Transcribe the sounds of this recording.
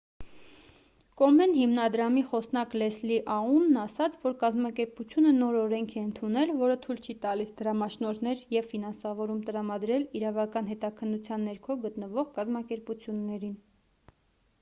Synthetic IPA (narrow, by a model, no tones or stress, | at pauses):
kɔmɛnɦimnɑd̪ɾɑmiχɔsnɑklɛsliʔɑunːɑsɑt͡sʰvɔɾkɑzmɑkɛɾput͡sʰjunənɔɾɔɾɛŋkʰɛənt̪ʰunɛlvɔɾət̪ʰujlt͡ʃʰit̪ɑlisd̪əɾɑmɑʃnɔɾnɛɾjɛvfinɑnsɑvɔɾumt̪əɾɑmɑd̪ɾɛliɾɑvɑkɑnɦɛt̪ɑkʰənːut͡sʰjɑnːɛɾkʰɔɡət̪nəvɔʁkɑzmɑkɛɾput͡sʰjunːɛɾin